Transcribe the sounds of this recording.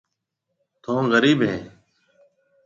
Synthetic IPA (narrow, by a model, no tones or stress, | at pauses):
t̪ʰõːɣəɾiːbɦeː